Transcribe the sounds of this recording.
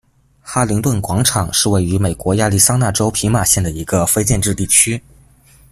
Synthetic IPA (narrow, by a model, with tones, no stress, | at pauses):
xa˥li˧˥ŋt̪wə˥˩nkwɑ˧˥ŋʈ͡ʂʰɑ˨˩˦ŋʂɻ̩˥˧we˥˩ɪy˧˥me˨˩ɪkwɔ˧˥ja˥˧li˥˩sɑ˥ŋna˥˩ʈ͡ʂo˥ʊpʰi˧˥ma˥˩ɕjɛ˥˩nd̪ə˩i˧˥ɡə˧fe˥ɪt͡ɕjɛ˥˧nʈ͡ʂɻ̩˥˧t̪i˥˩t͡ɕʰy˥